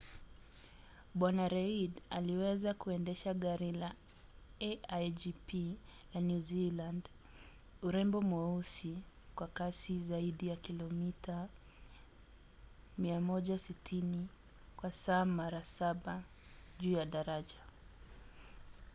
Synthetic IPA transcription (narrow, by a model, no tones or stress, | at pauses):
ɓwanaɾɛidaliwɛzakuɛndɛʃaɠaɾila | ɛad͡ʒipʰilanjuziland | uɾɛmbɔmɔusi | kwakasizaiɗijakilɔmitʰa | miamɔʄasitʰini | kwasaːmaɾasaɓa | ʄuːjaɗaɾaʄa